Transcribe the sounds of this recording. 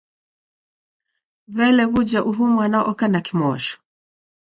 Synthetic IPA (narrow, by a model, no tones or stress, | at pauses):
βɛlɛβud͡ʒaʔuɦumwanaʔɔkanakimɔʃɔ̥